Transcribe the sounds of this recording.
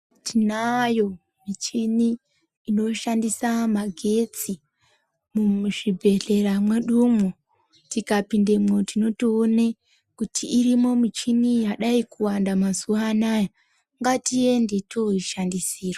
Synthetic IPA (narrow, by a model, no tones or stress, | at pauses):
tʰinajo̞ | mit͡ʃiniː | no̞ʃandisamaɡʱe̞t͡si | muʐibʱe̞ɮe̞ɾamweɗumo | tikapindemotino̞tione | kutʰiʔːɾimo̞mit͡ʃinijaɗaikʰuwandamazuanaja | ŋɡatijendetʰo̞iʃandisiːro